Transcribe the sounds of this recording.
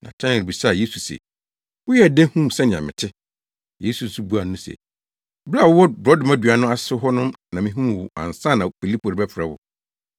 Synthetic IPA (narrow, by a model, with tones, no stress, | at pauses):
nã̰˨tʰɛ˦ɪ̃˨ɾbi˨sa˦˨je˦su˨sɛ̰˨ | wʊ˦jɛ˦˨dɛ̃˦hũ˦m˨sɛ̃˦nɪ̃˨ã̰˨mɪ̰̃˨tʰɪ˦ | je˦su˨n̩˨˦su˦bu˦a˨n˦ũ˦sɛ̰˨ | bɾa˦˨wwɔ˦bɾɔ˦dʊ˨ma˦˨dɥa˨nʊ̃˦a˦sʊ˦ɦɔ˦nʊ̃˦mnã˨mĩ˦ɦũ˦˨wʊ˨ã̰˨n˨sã˦˨nã˨fi˨li˦pʰo˨ɾɪ˨bɛ˦fɾɛ˦wʊ̰˨